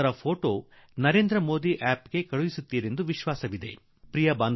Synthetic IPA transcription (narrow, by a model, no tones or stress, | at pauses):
ɐɾɐpʰo̞ːʈo̞ː | nɐɾe̞ːnd̪ɾɐmo̞ːd̪iʔaːpɡe̞kɐɭuʋisut̪ːiːɾe̞nd̪uʋiʃʋaːsɐʋid̪e̞̰ | pɾijɐbaːn